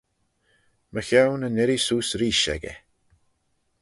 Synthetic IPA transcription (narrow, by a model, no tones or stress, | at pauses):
məxawnənɪɾisuːsɾiːʃɛ̰ɡɛ̰